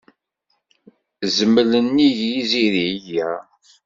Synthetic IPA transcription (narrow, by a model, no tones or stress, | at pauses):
zəmːələnːiʝiziðijæ